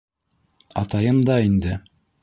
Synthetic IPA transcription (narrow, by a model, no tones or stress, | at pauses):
ɑt̪ɑjɤmd̪ɑind̪ɘ